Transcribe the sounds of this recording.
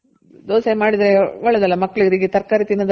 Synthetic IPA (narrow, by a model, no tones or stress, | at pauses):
d̪oːsɐmaːɽid̪ɾeʋɔɭːɐd̪ɐlːɐmɐkːɐɭiɡɾiɡet̪ɐɾkaːɾit̪inːɐd̪